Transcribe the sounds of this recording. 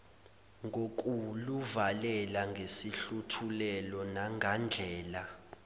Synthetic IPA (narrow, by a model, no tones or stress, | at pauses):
ŋʱok̬ʼuluvalɛlaŋɡʱesiɬutʰulɛlɔnaŋʱand͡ɮʱɛːla